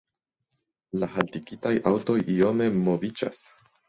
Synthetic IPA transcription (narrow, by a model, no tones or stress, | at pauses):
laɦaltiɡitajʔawto̞jio̞me̞mo̞vid͡ʒa̰s